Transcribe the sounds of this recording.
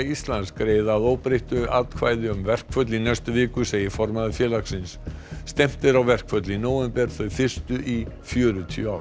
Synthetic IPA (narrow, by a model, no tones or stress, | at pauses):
ist̪lanskɾeːjðaðoːwpɾejht̪ʏʔat̪kʰvaːjðɪʏmvɛr̥kʰfœt̪linɛst̪ʏvɪːkʏseːjɪfɔɾmaðɪfjɛːlaksɪnsːt̪ɛm̥t̪ɪɾawvɛr̥kʰfvœt̪linoːwɛmpɛɾ̥θœɥfɪr̥st̪ʏʔifjœːɾʏt̪ʰiʏawɾ